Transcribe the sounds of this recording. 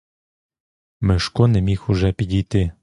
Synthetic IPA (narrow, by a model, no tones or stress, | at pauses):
mɪʃkɔnɛmʲixʊʒɛpʲidʲijt̪ɪ